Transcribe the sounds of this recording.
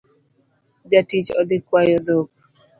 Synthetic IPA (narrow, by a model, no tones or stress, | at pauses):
d͡ʒatit͡ʃɔ̰d̪ɪkwajɔd̪ok̚